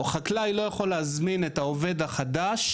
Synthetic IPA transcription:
oχaklajlo̞jaχo̞leazminet̪aove̞d̪aχadaʃ

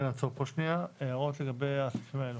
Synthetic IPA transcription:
nat͡sopoʃniaeaʁot̪leɡabeasfimeenu

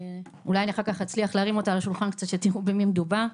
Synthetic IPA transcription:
ulajaniaχaʁkaχat͡sliaχleaʁimo̞talaʃulχankt͡sat̪ʃet̪iʁubemimd̪uba

